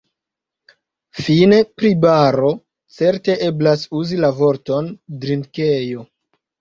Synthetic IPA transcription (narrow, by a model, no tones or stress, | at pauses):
fine̞pɾibaɾo̞ | t͡se̞ɾte̞ʔe̞blasuzilavo̞ɾto̞ndɾinkejo̞